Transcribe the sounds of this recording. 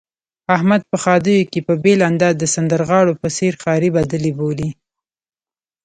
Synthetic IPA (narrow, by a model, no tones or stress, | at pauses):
ahmad̪̚pəxɑd̪əjokepəbeland̪ɑd̪əsand̪əɾɣɑɽopəseɾxɑɾibad̪əliboli